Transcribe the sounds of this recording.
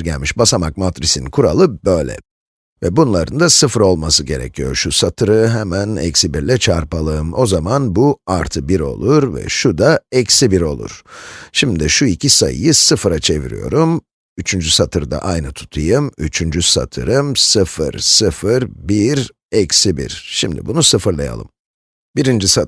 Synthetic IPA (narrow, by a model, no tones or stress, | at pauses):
ɟælʲmiʃbasamak̚mat̪ɾisinkʰuɾalˠɯbøjlʲɛ̰ | vɛbunlˠaɾɯnd̪asɯfɾo̞lˠmasɯɟe̞ɾɛ̰cʰijo̞ʃusat̪ʰɯɾɯɦɛmænɛ̰csibiɾlʲɛt͡ʃʰaɾpalˠɯɯmo̞zamanbuaɾt̪ʰɯbiɾo̞̰lˠuɾvɛ̰ʃud̪aɛcsibiɾo̞̰lˠṵɾ̥ʃimd̪iʃuicʰisajɯ̰jɯsɯfɾat͡ʃʰe̞vḭɾḭjo̞̰ɾum | yt͡ʃʰynd͡ʒysat̪ʰɯɾd̪a̰ʔajnɯt̪ʰu̥t̪ʰɯjɯmyt͡ʃʰynd͡ʒysa̰t̪ʰɯɾɯmsɯfɯ̰ɾsɯfɯɾbiɾ | ɛcsibḭɾʃimd̪ḭbunusɯfɯɾlˠa̰ja̰lˠɯ̰m | biɾind͡ʒisa